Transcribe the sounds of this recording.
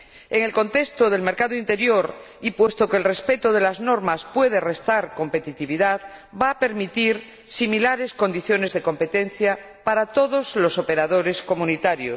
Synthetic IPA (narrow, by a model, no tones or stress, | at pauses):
e̞ŋe̞lko̞nt̪e̞st̪oðe̞lme̞ɾkaðoint̪e̞ɾjo̞ɾ | ipwe̞st̪okeːlre̞spe̞t̪oð̞e̞lazno̞ɾmaspwe̞ð̞e̞re̞st̪aɾko̞mpe̞t̪it̪iβiðaðbaːpe̞ɾmit̪iɾ | similaɾe̞sko̞nd̪iθjo̞ne̞zðe̞ko̞mpe̞t̪e̞n̟θja | paɾat̪o̞ðozlo̞so̞pe̞ɾaðo̞ɾe̞sko̞mũnit̪aɾjos